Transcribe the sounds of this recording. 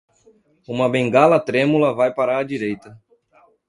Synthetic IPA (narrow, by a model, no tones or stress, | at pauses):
ũmɐbẽŋɡalɐt̪ɾẽmulɐvajpaɾaɾɐd͡ʒiɾejt̪ɐ